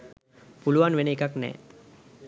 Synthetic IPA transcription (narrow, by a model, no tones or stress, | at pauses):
puluʋanʋeneːkaknɛ̰ː